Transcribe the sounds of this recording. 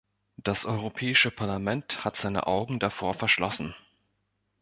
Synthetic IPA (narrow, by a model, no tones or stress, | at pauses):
d̥asʔɔʏʁ̞opʰɛːɪʃəpʰaɐlamɛnthatz̥aɪnə̰ʔaʊɡŋ̩dafoːɐfɛɐʃlɔsn̩